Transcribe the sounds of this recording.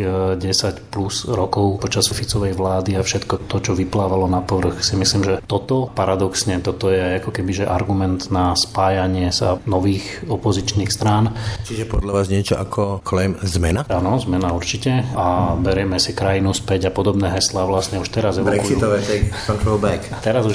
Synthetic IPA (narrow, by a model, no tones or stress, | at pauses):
ɟɛsacpluzɾɔkɔʊpɔt͡ʃasfit͡sɔʋɛjʋlaːd̪iafʃɛt̪kɔt̪ɔt͡ʃɔʋiplaːʋalɔnapɔʋr̩xsimisliːmʒɛt̪ɔt̪ɔpaɾad̪ɔksɲɛt̪ɔt̪ɔjɛajakɔkɛbiʒɛʔaɾɡumɛnd̪naspaːjaɲɪɛsa̰nɔʋiːxɔpɔzit͡ʃniːxst̪ɾaːnt͡ʃiʒɛpɔd̪ʎaʋaːzɲɪɛt͡ʃɔʔakʰɔkɔlɛmzmɛnaanɔzmɛnauɾt͡ʃicɛabɛɾɪɛmɛsikɾajinuspɛɟapɔd̪ɔbnɛːɦɛslaʋlasɲɛuʃt̪ɛɾazɛʋɔɾɛkkusiut̪ɔʋɛt̪ɛjkɔnt̪ɾɔlˠbɛkt̪ɛɾazuʃ